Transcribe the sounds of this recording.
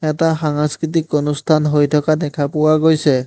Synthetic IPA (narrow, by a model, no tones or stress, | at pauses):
ɛtaɦaŋaskɾit̪̬ikːonust̪ʰanɦojt̪ʰɔkad̪ɛkʰapuaɡojsʰe